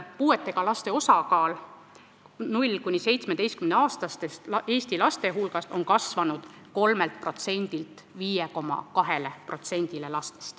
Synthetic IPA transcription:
puːe̞t̪ːˑe̞ɡ̥ɑlɑst̪e̞o̞sɑkɑːl | nulʲkunːise̞jt̪smed̪e̞jst̪kymneɑːst̪ɑst̪est̪e̞ːsʲt̪ilɑst̪e̞ɦulɡ̥ɑso̞nkɑsvɑnud̪̥ | ko̞lme̞lt̪̚pro̞t̪se̞nʲd̪̥ilt̪ːˑ | viːjeko̞mːɑ̰kɑɦe̞lepro̞t̪se̞nʲd̪̥ile̞lɑst̪e̞̥st̪

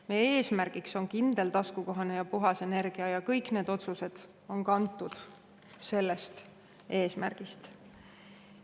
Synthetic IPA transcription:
meje̞ːsmæɾɡ̥ikso̞nkind̪̥e̞lt̪ɑskuko̞ɦɑne̞jɑpuɦɑse̞ne̞rɡ̥iɑjɑkɤjkne̞ːd̪o̞t̪suse̞d̪̥ | o̞nkɑnt̪ːˑud̪̥ | se̞lːest̪ | ʔe̞ːsmæ̰rɡ̥ist̪

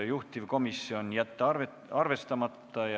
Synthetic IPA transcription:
juht̪ivko̞misːio̞njæt̪ːˑɑ | ɑrve̞st̪ɑmɑt̪ːɑjɑ

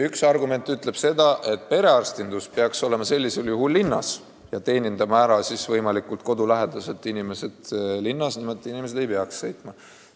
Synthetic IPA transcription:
yksɑrɡume̞nt̪ːˑyt̪ˑle̞b̥se̞d̪̥ɑʔe̞t̪̚ːˑpe̞ɾe̞ɑrst̪ind̪uspeɑkso̞le̞mɑse̞lʲːise̞ljuɦulːinːɑ̰s | jɑt̪e̞ːnʲind̪̥ɑmæːɾɑsisvɤjmɑlikult̪̚ko̞d̪ulæɦed̪̥ɑse̞t̪ːˑinime̞se̞d̪̥linːɑsnimod̪ʲˑiinime̞s̬d̪̥e̞jpeɑksːɤ̞jt̪ˑmɑ

